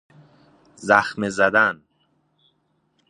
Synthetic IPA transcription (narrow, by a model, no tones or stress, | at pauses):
zæxmezæd̪æn